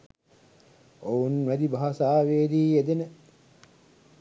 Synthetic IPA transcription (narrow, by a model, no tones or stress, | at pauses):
ounʋæd̪ibaɦasaːʋeːɾiːed̪enə